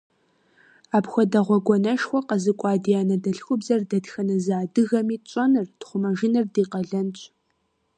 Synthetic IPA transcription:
aːpxʷɔdɐʁʷɔɡʷɔnɐʃxʷɔqɐzɨkʷʼɑːdijaːnɐdɐɬxʷʊbzɐrdɐtxɐnɐzaːdɨɣɐmiːt͡ʃʼɔnɨrtχʷʊmɐʒɪnɨrdiːqɐɮɐnt͡ʃʷʼ

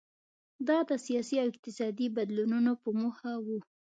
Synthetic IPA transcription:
d̪ɑd̪əsijɑsiawɪq̚t̪ɪsɑd̪ibad̪lununopəmoxawu

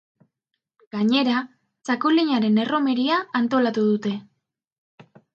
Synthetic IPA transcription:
ɡ̥aɲe̞ɾa | t͡sakuliɲaɾe̞ne̞ro̞me̞ɾiaːnt̪o̞lat̪uð̞ut̪e̞

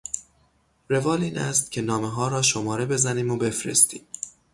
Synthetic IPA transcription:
ɾe̞vɒːliːnæ̰st̪̚cʲʰe̞nɒːme̞ɦɒːɾɒːʃomɒːɾe̞be̞zæniːmobe̞fɾḛst̪ḭːm

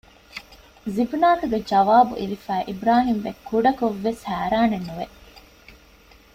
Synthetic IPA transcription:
zibnaːkɐɡed͡ʒɐʋaːbṵʔiɾifæːʔibɾaːɦimʋekːuɖɐkoʋːeshæːɾaːnenːuʋe

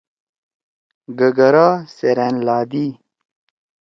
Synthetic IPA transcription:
ɡɐɡɐɾaːseɾenlaːd̪i

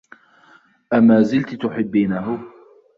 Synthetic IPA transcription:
ʔamaːzɪlt̪t̪ʊħɪbːiːnaɦʊ

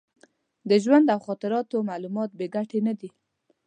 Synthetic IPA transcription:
d̪əʒwand̪awxɑt̪ɪɾɑt̪omalumɑt̪̚beɡaʈenad̪i

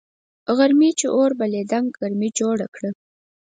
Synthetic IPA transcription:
ɣaɾmit͡ʃeʔoɾbaled̪aŋɡɣaɾmid͡ʒoɽakɽə

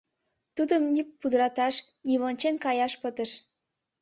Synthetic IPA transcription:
t̪ud̪əmnʲipud̪əɾɑt̪ɑʃ | niβonʲt͡ɕenkɑjɑʃpət̪əʃ

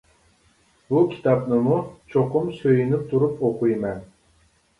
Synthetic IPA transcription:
bukʲʰi̥t̪ʰɑpnɨmut͡ʃʰoqʰʊmsøjinɪp̚t̪ʰuɾupoqujmɛn

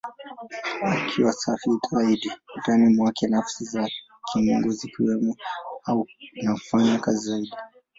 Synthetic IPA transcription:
akʰiwasafitʰawaiɗiutanimwakʰɛnafsiza | kʰiŋɡuzikiwɛmɔaunaufaɲakazizaiɗi

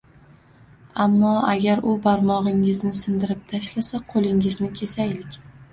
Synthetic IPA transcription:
amːɒaɡʲaɾʊbaɾmɒʁɪŋɪznɪsɪnd̪ɪɾɪp̚t̪ʰaʃlasaqʰolˠɪŋɪznɪkʲʰe̞sajlɪkʲ

